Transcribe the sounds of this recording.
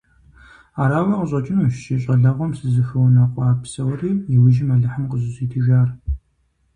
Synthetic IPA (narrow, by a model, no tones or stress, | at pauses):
aːɾaːwɐqʼəɕʼɐt͡ʃʼɪnuʃʃɪɕʼɐɮɐʁʷɔmsɨzɨxɨwnɐqʷʼaːpsɐwriːjɪwʊʒɪmɐɮɐħəmqʼəzɨzʼiːtʰɨʒaːr